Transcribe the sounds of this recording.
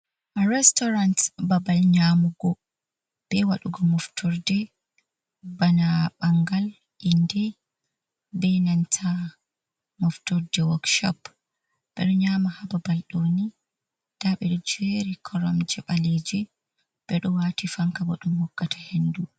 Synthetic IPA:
ɾɛstɔɾantbabalɲaːmuɡɔ | b̥ɛwaɗuɡɔmɔftʰɔɾdɛ | banaɓaŋɡal | ʔindɛ | bɛnantʰa | mɔftɔɾdɛwɔkʃɔ̰p | b̥ɛ̰ɗɔɲaːmahababalɗoːni | d̥aɓɛɗɔd͡ʒeɾikʰɔɾɔmd͡ʒɛɓaled͡ʒi | b̥ɛɗɔwaːtifaŋkawaɗumhɔkːatḁhendu

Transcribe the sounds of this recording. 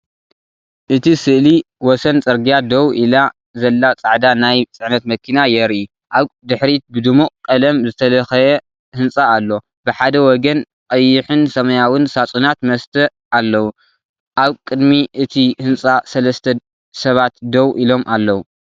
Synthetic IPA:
ʔɨt̪ʰisɨʔliwɔsɐnt͡sʼɐɾɡijad̪ɐwʔila | zɐlːat͡sʼaʕd̪anajt͡sʼɨʕnɐt̪mɐkʰinajɛɾu | ʔaβd̪ɨħɾit̪̚bɨd̪ɨmuqʼkʼɐlɐmzɨt̪ʰɐlɐxɐjɛ | hɨnt͡sʼaːlːo̞ | bɨħad̪ɐwɔɡɐn | kʼɐjːɪħɨnsɐmɐjawɨnsat͡sʼunat̪mɐst̪ʰɐ | ʔalːɐwu | ʔaβkʼɨd̪miʔɨt̪ʰihɨnt͡sʼasɐlɐst̪ʰɐ | sɐβat̪d̪ɐwʔilo̞mʔalːɐwu

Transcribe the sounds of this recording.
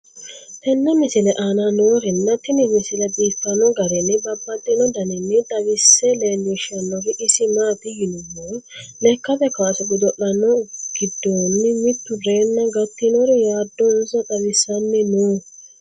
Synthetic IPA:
tɛnːɐmɪsɪlɛʔaːnɐnoːɾɪnːɐt̪ːɪnɪmɪsɪlɛd̪iːtːɐnːɔɡɐɾɛnːɪbɐbːɐt̪ʼːɛnɔd̪ɐnɪnːɪt̪ʼɐβɪsːɛleːnːɛʃɐnːɔɾɪʔɪsɪmaːt̪ɪjɪnʊmːɔnlɛkːɐbɛkaːsʊɡʊd̪ɔʔːɐnːɔɡ̥ɪd̪ːoːnːɪmɪt̪ːʊɾeːnːɐɡɐt̪ːɪnɔɾjaːd̪ːɔnsɐt̪ʼɐβɪsːɐnːɪnuː

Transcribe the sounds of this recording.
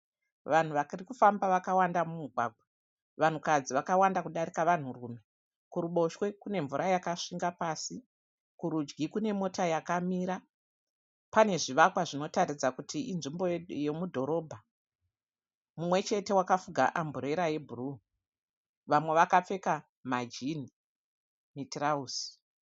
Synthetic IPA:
ʋan̤uʋakirikufambaʋakawandamumuɡʱwa̰ːɡ̚ʱwa | ʋan̤ukad͡ziʋakawandakuɗaɾikaʋan̤uruːme̞ | kuɾuɓo̞ʃwe̞kune̞ɱvuɾʔajakaʂiŋɡapaːsi | kuɾud͡ʒɡikune̞mo̞tajakamiːɾa | pane̞ʐiʋakwaʐino̞taɾid͡zakutʰiʔinʐimbo̞je̞mudʱo̞ɾo̞bʱa | mumwe̞t͡ʃe̞te̞wakafuɡʱa̰ʔambuɾe̞ɾaje̞bʱuruː | ʋamwe̞ʋakap͡fe̞ka | mad͡ʒini | mitraus

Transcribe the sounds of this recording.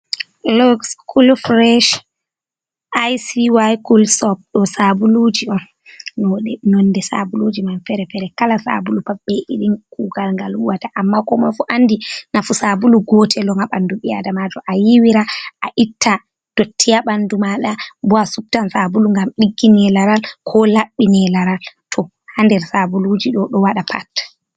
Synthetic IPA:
lɔkskʰulfɾɛʃ | ʔajsiwajkulsɔp̚ɗɔsabulud͡ʒiɔn | nɔɗɛnɔnːdɛsa̰bulud͡ʒimanfɛɾɛfɛɾɛkalasa̰bulupaɓːɛʔḭɗinkuɡalŋɡaluwataʔamːakɔmɔfuʔanːdinafusabuluɡɔtʰɛlɔŋaɓanduɓia̰damad͡ʒɔʔajiwiɾaʔaʔitːa | d̥otʰːijaɓandumaɗabɔasup̚tansabuluŋɡamɗiɡːinɛlaɾalkʰɔlaɓːinɛlaɾaltʰɔ | handɛɾsabulud͡ʒiɗɔɗɔwaɗapʰa̰t

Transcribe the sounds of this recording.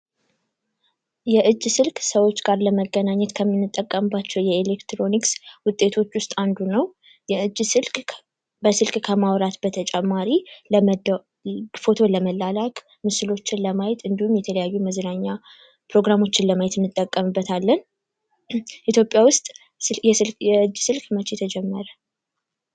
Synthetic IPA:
jɛʔɨd͡ʒːsɨlkʼsəwo̞t͡ʃːɡaɾləməɡənaɲːɛt̪kʰəmːinːɨt̪ʼːəkʼːəmbat͡ʃːɛwjɛelekt̪ɾo̞nikswʊt̪ʼːe̞t̪ʰo̞t͡ʃːwʊst̪ʼand̪unəw | jɛɨd͡ʒːsɨlkʼ | bəsɨlkʼkʰəmawɾat̪bət̪ʰət͡ʃʼɛmːaɾilə | fo̞t̪ʰo̞ləməlːalakʼ | mɨsɨlo̞t͡ʃːɪnləmajɛt̪ɨnd̪ihumjɛt̪ʰələjajːuməznaɲːa | pɾo̞ɡɾamo̞t͡ʃːɪnləmajɛt̪ɨnːɨt̪ʼːəkʼːəmɨbːət̪ʰalːən | ʔit̪jo̞pʼːjawʊst̪ʼ | jɛɨljɛɨd͡ʒːsɨlkʼmət͡ʃːet̪ʰəd͡ʒɛmːəɾə

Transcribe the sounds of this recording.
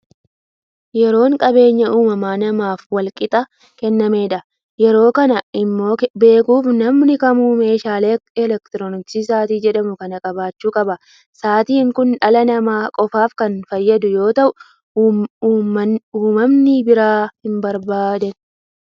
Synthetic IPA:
jɛɾo̞ːŋkʼɐbe̞ːɲːɐʔuːmɐmaːnɐmaːfwɐlkʼɪt̪ʼɐ | kɛnːɐme̞ːᶑɐ | jɛɾo̞ːkɐnɐɪmːo̞ːbe̞ːkuːfnɐmnɪkɐmuːme̞ːʃaːle̞ːɛlɛkt̪ɪɾoːnɪt͡ʃiːsaːt̪iːd͡ʒɛᶑɐmʊkɐnɐkʼɐbaːt͡ʃːuːkʼɐbɐ | saːt̪iːŋkʊnᶑɐlɐnɐmaːkʼɔfaːfkɐnfɐjːɐd̪ʊjo̞ːt̪ɐʔʊ | uːmɐmnɪbɪɾaːhɪmbɐɾbaːd̪ɐn

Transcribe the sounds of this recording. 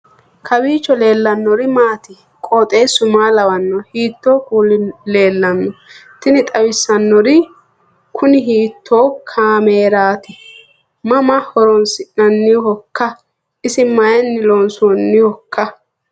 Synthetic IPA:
kʰɐwiːt͡ʃːɔle̞ːlːɐnːɔɾɪmaːt̪ɪ | kʼoːt̪ʼeːsʊmaːlɐwɐnːɔhiːt̪ːoːkuːlɪle̞ːlːɐnːɔt̪ɪnɪt̪ʼɐwɪsːɐnːɔɾɪ | kʰʊnɪɦiːt̪ʰːoːkʰaːmeːɾaːt̪ɪ | mɐmɐhɔɾɔnsɪʔnɐnːɪhɔkːɐ | ɪsɪmɐjɐnːɪloːnsonːɪhɔkːɐ

